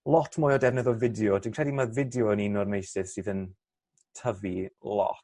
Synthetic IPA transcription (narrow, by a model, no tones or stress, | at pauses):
lˠɔtʰmʊːjɔdɛvnɛðɔvɪdjɔdinkr̥ɛdimavɪdjɔəninɔrmejsɪð̥siːðən | tʰəvilˠɔ̰t